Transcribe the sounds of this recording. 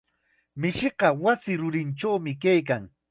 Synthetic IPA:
mɪʃɪɢɑwasɪɾʊɾɪnʈ͡ʂawmɪkajk̬aŋ

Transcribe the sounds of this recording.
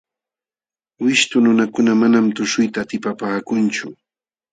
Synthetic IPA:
wɪʃt̪ʊnʊnakʊnamanamt̪ʊʃʊjt̪aːt̪ɪpapaːkʊnt͡ʃʊ

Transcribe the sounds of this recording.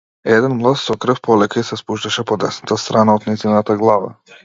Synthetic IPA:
ɛd̪ɛnmlˠassɔkɾ̩fpɔlɛkaisɛspuʃt̪aʃɛpɔd̪ɛsnat̪ast̪ɾanaɔd̪naizinat̪aɡlˠava̰

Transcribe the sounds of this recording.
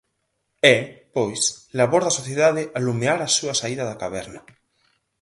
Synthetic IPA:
ɛpojslaβoɾðasoθjeðaðeʔalumeaɾasuasaiðaðakaβ̞ɛɾna

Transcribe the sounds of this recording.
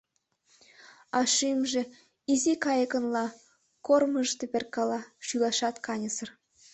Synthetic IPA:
ɑʃimʒĕ | izikɑjəkə̆nlˠɑ | korməʃt̪epʲerkɑlɑʃylɑʃɑt̪kʰɑnʲəsɤ̆r

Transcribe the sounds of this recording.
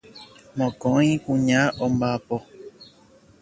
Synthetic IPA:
mõkõĩkũɲãʔõmbapo

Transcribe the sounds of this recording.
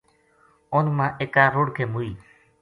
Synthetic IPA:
oːnmãːʔeːkaːɾoːɽkʰeːmuiː

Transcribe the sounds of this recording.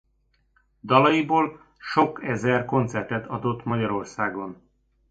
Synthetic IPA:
d̪ɒlɒjiboːl | ʃo̞kɛzɛrko̞nt̪sɛrt̪ɛt̪ʰɒd̪o̞t̪ːmɒɟɒɾo̞rsaːɡon

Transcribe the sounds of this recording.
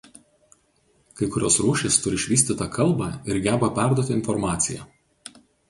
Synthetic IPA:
kɐɪkʊɾʲoːsɾuːʃʲɪst̪ʊɾʲɪʃʲʋʲiːsʲt̪ʲɪt̪ɐkʰɐlˠˑbɑːɪɾɡʲæːbɐpʲæˑɾd̪uɔt̪ʲɪɪnfɔɾmɑːt̪sʲɪjæ̰

